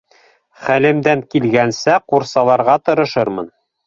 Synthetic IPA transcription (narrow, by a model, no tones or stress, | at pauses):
χælɘ̆md̪æŋkilɡænsæquɾsɑlˠɑɾʁɑt̪ɤ̆ɾɤ̆ʃɤɾmɤ̰n